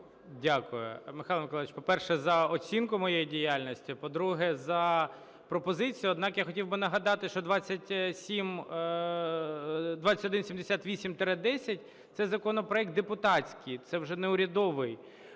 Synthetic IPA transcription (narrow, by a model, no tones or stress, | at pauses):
dʲakʊjʊ̰mɪxɑlˠmɪkɔlˠʋɪt͡ʃʲpɔpɛrʃɛzɐɔt͡sʲinkʊmɔjejidʲijalʲnʲɔsʲtʲipɔd̪ɾuɦɛzɐ | pɾɔpɔzɪt͡sʲijʊɔd̪nɑkjaxɔtʲiwbɪnɐɦɐd̪ɑt̪ɪʃt͡ʃɔd̪ʋɑt͡sʲːɐtʲsʲim | d̪ʋɑt͡sʲːɐtʲɔd̪ɪnsʲimd̪esʲat̪ʋʲisʲimt̪ɾɛd̪ɛsʲɐtʲ | t̪sɛzɐkɔnɔpɾɔɛk̚t̪̚d̪epʊt̪ɑt͡sʲkɪjt̪sɛwʒɛneʊɾʲɐd̪ɔʋɪj